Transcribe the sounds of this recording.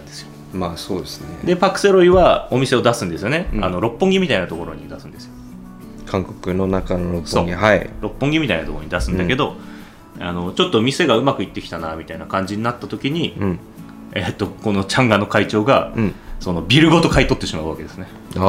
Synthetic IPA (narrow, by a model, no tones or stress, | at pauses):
eo | maːsoːd̪esɨnḛd̪epakɯ̟̥seɾo̞iβao̞mʲise̞o̞d̪asɨ̃nd̪e̞sɨjo̞ne̞a̰no̞ɾo̞pːõ̞ŋɡʲimʲit̪ainat̪o̞ko̞ɾo̞ɲ̟id̪asɨ̃nd̪e̞sɨjo | kʰãŋkokɯ̟no̞nakanoɾopsoːɡihaiɾo̞pːõ̞ŋɡʲimʲit̪ainat̪okoɾoɲ̟id̪asɨ̃nd̪ake̞d̪o̞ | a̰no̞t͡ɕo̞t̪ːo̞mʲise̞ɡaɯ̟makɯ̟it̪ːe̞kʲi̥t̪anamʲit̪ainakãɲ̟d͡ʑiɲ̟inat̪ːat̪o̞kʲiɲ̟ĩ | et̪ːo̞ko̞no̞t͡ɕãŋɡano̞kait͡ɕo̞ːɡaso̞no̞bʲiɾɯ̟ɡo̞t̪o̞kait̪o̞t̪ːe̞ɕimaɯβaked̪e̞sɨne